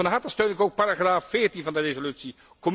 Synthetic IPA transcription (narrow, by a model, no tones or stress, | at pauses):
ənɦatəstøɥnɪkowk̚paɾaχraːfːɪːɹtinvɑndərezolytsi | kɔm